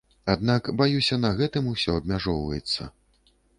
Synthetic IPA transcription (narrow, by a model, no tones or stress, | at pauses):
ad̪nakbajusʲɐnɐɣɛt̪ɨmusʲɔɐb̚ʲmʲaʐɔwvɐ̰jɛt̪sːɐ̰